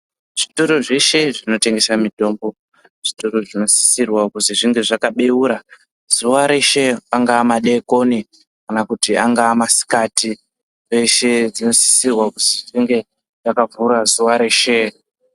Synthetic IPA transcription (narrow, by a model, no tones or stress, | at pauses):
ʐ̥ituɾoʐeʃe̞ʐino̞te̞ŋɡe̞samito̞ːmbo̞ | ʐ̥ituɾoʐino̞si̥sirwakuziʐiŋɡe̞ʐakaɓe̞wuɾa | z̥uʋaɾe̞ʃe̞aŋɡaːmaɗe̞ko̞ni | kanakutiaŋɡaːmasi̥kati | eʃe̞d͡zino̞si̥sirwakuziʐiŋɡe̞ | ʐakavuɾazuʋaɾe̞ːʃe